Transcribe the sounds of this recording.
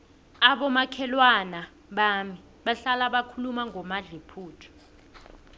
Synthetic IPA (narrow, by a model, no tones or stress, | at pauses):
aɓɔmakʰɛlwana | ɓami | ɓaɬalaɓakʰulumaŋʱɔmaɮepʰuːtʰɔ̥